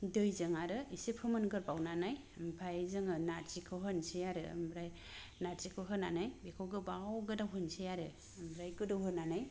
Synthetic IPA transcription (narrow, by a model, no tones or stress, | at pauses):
dɯjzɯŋaɾɯisepʰɯmɯnɡɯɾbawnanaj | mpʰajzɯŋɯnaɾzikʰɯɦɯnsejaɾɯ̰mbɾaj | naɾzikʰɯɦɯnanajbekʰowɡɯbawɡɯdawɦɯnsejaɾɯ | mbɾajɡɯdɯwhɯnanaj